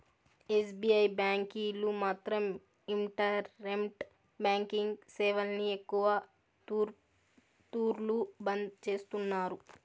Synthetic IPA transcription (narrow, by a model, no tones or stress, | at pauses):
esbiːɐjbaːŋkiːlumaːt̪ɾɐm | iɳʈɐɾemʈ | baːŋkiŋɡsɛːʋɐlniekːuʋɐ | t̪uːɾlubɐnd̪t͡ʃe̞ːst̪unːaːɾu